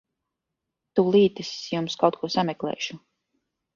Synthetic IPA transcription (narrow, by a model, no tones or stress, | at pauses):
t̪ulˠiːt̪ɨsjumskawt̪̚kuɔsamɛklˠɛ̰ːʃu